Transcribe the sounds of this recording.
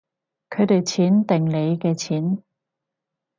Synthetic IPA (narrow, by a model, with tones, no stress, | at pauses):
kʰɵ˨˧ɥt̪e˨jt͡sʰiː˨˥nt̪ɪ˨ŋle˨˧jkɛː˧t͡sʰiː˨˥n